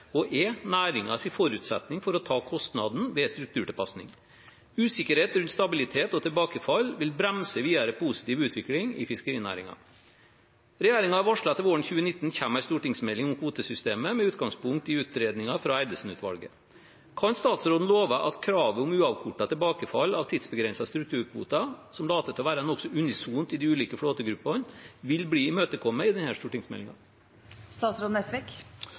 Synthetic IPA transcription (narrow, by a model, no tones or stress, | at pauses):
ɔʔɛnæːɾɪŋɑsɪfɔɾʉːt̪sɛ̰t̪nɪŋfɔɾɔt̪ʰɑːkʰɔst̪nɑd̪n̩ʋɛst̪ɾʉk̚t̪ʰʉːʈɪlpɑsnɪ̰ŋ | ʉːsɪkəɾheːt̪ɾʉnt̪st̪ɑbɪlɪt̪ʰeːt̪ɔt̪ʰɪlbɑːkəfɑlːʋɪlbɾɛmsəʋiːɑɾəpʰusɪ̥t̪iːʋʉːt̪ʰʋɪklɪŋɪ̰fɪskəɾiːnæ̰ːɾɪ̰ŋɑ̰ | ɾɛjeːɾɪŋɑɑʋɑʂɭɑt̪ːəʋoːəɳçʉːənɪt̪ːn̩çæmæɪst̪uːʈɪŋsmɛlːɪŋʊmhuːt̪əsʏst̪eːməmɛʉːt̪ɡɑŋspʊŋkt̪ɪʉːt̪ɾeːd̪nɪŋɑfɾɑæɪd̪əlsn̩ʉt̪ʰʋɑ̰lɡə̰ | kʰɑnst̪ɑːt̪sɾoːd̪n̩loːʋɑʔɑt̪kʰɾɑːʋəʊmʉːɑʋkʰʊʈːɑt̪ʰɪlbɑːkəfɑlːɑʋt̪ʰiːd̪sbəɡɾɛnsɑst̪ɾʉk̚t̪ʰʉːɾkʰʋṵːt̪ɑsɔmlɑːt̪ət̪ʰɔʋæːɾɑɛnɔksɔʔʉnɪsuːnt̪ɪd̪ɪʉːliːkəfɽoːt̪əɡɾʉpːɑnʋɪlbliːɪmøːt̪əkʰɔmːəɪd̪ɛnhæːst̪uːʈɪŋsmɛ̰lɪŋɑ̰ | st̪ɑːt̪sɾoːd̪n̩ɛst̪əʋeːk